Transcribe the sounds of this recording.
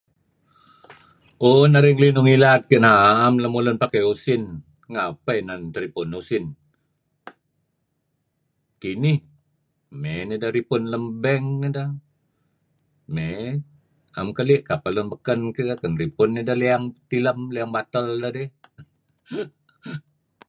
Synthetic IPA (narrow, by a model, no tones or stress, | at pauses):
onaɾiŋlinʊŋilat̪̚kənaːmləmulʊnpakajusɪn | ŋapəjnant̪əɾipʊnusɪn | kinih | menidaɾipʊnləmbɛŋnida | me | ʔamkəliʔkapalʊnbəkənkiakənripʊnːidaliaŋt̪iləmliaŋbat̪əldadɛh